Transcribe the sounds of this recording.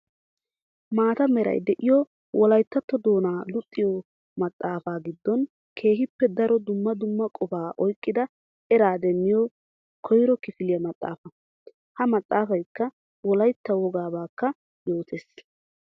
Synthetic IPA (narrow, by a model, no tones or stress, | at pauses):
maːt̪ɐmɛɾɐ̰jd̪ɛʔɪjɔ | wʔɔlɐjt̪ːɐt̪ːɔd̪o̞ːnaːlʊt̪ʼːɪjɔ | mɐt̪ʼːaːfaːɡɪd̪ːɔn | kʰe̞ːɦɪpːɛd̪ɐɾɔd̪ʊmːɐd̪ʊmːɐkʼɔbaːʔɔjkʼːɪd̪ɐ | ɛɾaːd̪ɛmːɪjɔ | kʰɔjɾɔkɪfɪlɪjɐmɐt̪ʼːa̰ːfɐ | hɐmɐt̪ʼːaːfɐjkːɐ | wɔlɐjt̪ːɐwɔɡaːbaːkːɐ | jo̞ːt̪ʰeːs